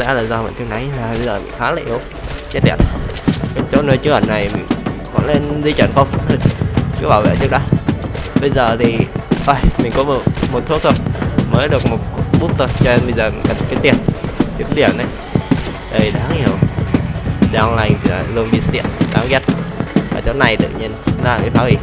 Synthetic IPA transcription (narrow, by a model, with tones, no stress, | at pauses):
zɛ̰˧˥laː˨˩zaː˧mḭ˧˨nt̪i˧wna˨˦jaː˨˩ɓə˧jzəː˨˩mḭ̈˧˨ŋ̟xaː˨˦laː˨˩ʔi˨˦w | t͡ɕt̚ɗḭ˨˩ət̚kɔ˨˩t͡ɕo̰˧˦nəː˧jt͡ɕɨ˨˦ŋʔə˧˩nːa˨˩jmï˨˩ŋkɔ̰˧˨nlae˧nzi˧t͡ɕwə̰˧˩nxə˧wŋ͡mt̪ʰjt͡ɕɨ˨˧˦ɓaː˧˩wvɛ̰ː˧˨t͡ɕɨ˦˥k̚ɗə˨˦ɓə˧jzəː˨˩t̪ʰi˨˩ʔə˧˩jmï̟˨˩kɔ˨˦m˨˩mo˨˩t̚t̪ʰu˦˥k̚t̪ʰə˧wŋ͡mməː˨˦jɗɨ˨˩ək̚mo˨˩t̚ɓu˦˥t̚t̪ʰo˧˩jt͡ɕɔ˧e˧nɓə˧jzəː˨˩˨kə˨˩n˨ka˨˦t̪i˧˩ənki˨˦ɗi˧˩əmna˨˩j | ʔə˧˩jɗaː˨˦ŋhi˧˩ə˨w | ɗaː˧ŋla˧˩jŋt̪ʰi˨˩la̰ː˨˩zɨ˧ənɓi˧sə˦˥i˧˨ənɗaː˨˦ŋɣɛ˦˥t̚vaː˨˩t͡ɕo˨˦na˨˩jt̪ɨ̰˧˨ɲi˧ənː˨˦a˨˩kə˨˦t̪waː˨˦wvi˧˩